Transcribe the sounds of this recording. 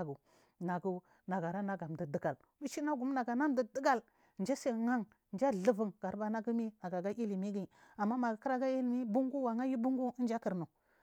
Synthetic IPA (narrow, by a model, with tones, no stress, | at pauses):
ɡu˨ | na˨ɡu˦ | na˨ɡa˨ɾa˦na˦ɡa˨m˨də˨də˨ɡa˨l | wi˦t͡ʃi˦na˦ɡu˨˦m˦na˨ɡa˨na˦m˦də˨də˦ɡa˨l | n˨d͡ʒa˦se˦ŋa˦ŋ˨ | nd͡ʒa˦˨ɮə˦və˨ŋɡ̥a˨ɾba˨na˦ɡu˦mi˦na˨ɡa˨ɡa˦ʔi˦li˨mi˦ɡi˦˨ | a˨mːa˦ma˨ɡu˨kə˦ɾa˦ɡa˦i˦lmi˦bu˦ŋɡu˦wa˨ŋa˦ji˦bu˦ŋɡu˦nd͡ʒa˦kə˨ɾnu˨